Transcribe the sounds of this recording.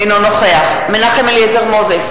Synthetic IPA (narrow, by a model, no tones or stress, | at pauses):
nonoχeaχ | menaχemɛljɛzɛʁmozɛs